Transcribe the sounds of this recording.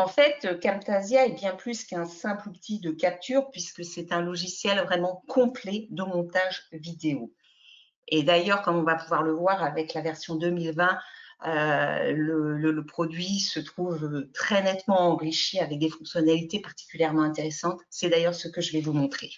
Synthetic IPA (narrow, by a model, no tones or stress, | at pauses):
ɑ̃fɛt̪əkamt̪azjaɛbjɛ̃plyskɛ̃sɛ̃plupət̪ʰid̪əkʲap̚t̪yʁpɥiskəsɛt̪ɛ̃lɔʒisjɛlvʁɛmɑ̃kʰɔ̃plɛd̪əmɔ̃t̪aʒvid̪eo | ed̪ajœʁkɔmɔ̃vapuvwaʁləvwaʁavɛklavɛʁsjɔ̃d̪ømilvɛ̃ølələləpχɔd̪ɥisət̪χuvøt̪χɛnɛt̪mɑ̃ɑ̃ʁiʃiavɛk̚d̪efɔ̃ksjɔnalit̪epaʁt̪i̥kʲyljɛʁmɑ̃ɛ̃t̪eʁesɑ̃t̪sɛd̪ajœʁsəkəʒəvɛvumɔ̃t̪χe